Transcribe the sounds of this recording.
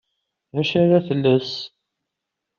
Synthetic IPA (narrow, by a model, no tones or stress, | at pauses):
ðæʃaɾaθəlːəs